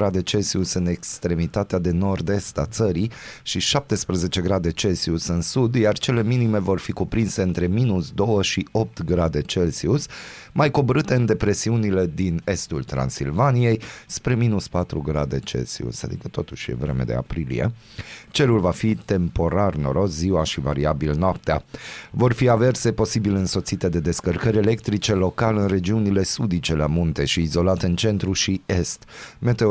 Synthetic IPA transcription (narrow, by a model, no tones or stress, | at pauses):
ɾad̪e̞t͡ʃe̞lsiusɨne̞kst̪ɾe̞mit̪at̪ead̪eno̞rd̪e̞st̪at̪səɾiʃiʃap̚t̪e̞spɾeze̞t͡ʃe̞ɡɾad̪e̞t͡ʃe̞lsiusɨnsud̪jart͡ʃe̞le̞minime̞vo̞rfikupɾinse̞ɨnt̪ɾe̞minusd̪o̞wəʃio̞p̚t̪ɡɾad̪e̞t͡ʃe̞lsius | majko̞bəɾɨt̪e̞ɨnd̪e̞pɾe̞siunile̞d̪ine̞st̪ult̪ɾa̰nsilvanije̞jspɾe̞minuspat̪ɾuɡɾad̪e̞t͡ʃe̞̰sḭṵsa̰d̪ḭkət̪o̞t̪uʃjḛvɾe̞me̞̰d̪e̞̰a̰pɾilḭjḛ | t͡ʃe̞lulvafit̪e̞mpo̞ɾarno̞ɾo̞sziwaʃivaɾiabilnoap̚t̪ea̰vo̞rfiave̞rse̞po̞sibilɨnso̞t̪sit̪e̞d̪e̞d̪e̞skərkəɾʲe̞le̞kt̪ɾit͡ʃe̞lo̞kalɨnre̞d͡ʒiunile̞sud̪it͡ʃe̞lamunt̪e̞ʃiːzo̞lat̪eɨnt͡ʃe̞nt̪ɾuʃie̞st̪me̞t̪e